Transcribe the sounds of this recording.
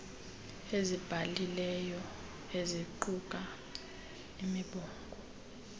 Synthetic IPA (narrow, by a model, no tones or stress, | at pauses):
ezib̥ʱalilɛjɔ | eziǃukʼa | imiɓɔːkʼɔ